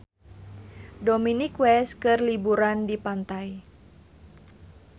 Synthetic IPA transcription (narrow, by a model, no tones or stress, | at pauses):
dominikwɛskɨrlibuɾandipant̪aj